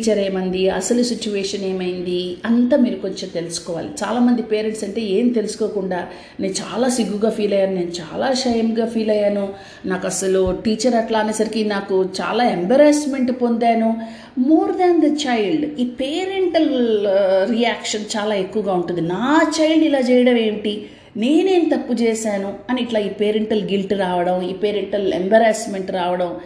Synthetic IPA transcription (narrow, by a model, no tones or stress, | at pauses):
t͡ʃɐɾeːmɐnd̪iɐ̰sɐlusit͡ʃːuʋeːʂɐneːmɐjind̪iɐnt̪aːmiːɾuko̞ɲt͡ʃemt̪e̞lusu̥kɔːʋa̰ːlit͡ʃaːlaːmɐnd̪ipeːɾeɳʈsɐɳʈe̞ːe̞ːmit̪e̞lusu̥koːkuɳɖaː | ne̞ːnut͡ʃa̰ːlaːsiɡːuɡaːpʰiːlɐjaːnune̞ːnut͡ʃa̰ːlaːʃɐjɐmɡaːpʰiːlɐjaːnu | naːkɐsɐluʈiːt͡ʃɐɾɐʈlaːnɐːsɐɾikinaːkut͡ʃa̰ːlaːembɐɾɐsme̞ɳʈpo̞nd̪aːnu | moːɾd̪and̪ɐt͡ʃɐjlɖiːpeːɾeɳʈɐl | ɾijaːkʂɐnt͡ʃaːlaːe̞kːuʋɐɡaːuɳʈund̪inaːt͡ʃɐjlɖilaːt͡ʃɛːjɐɽɐʋe̞ːɳʈi | ne̞ːne̞ːnut̪ɐpːut͡ʃɛːsaːnuɐniːʈlaːiːpeːɾeɳʈɐlɡilʈɾaːʋɐɽɐmiːpeːɾeɳʈɐlḛmbɐɾaːsme̞ɳʈɾaːʋɐɽɐm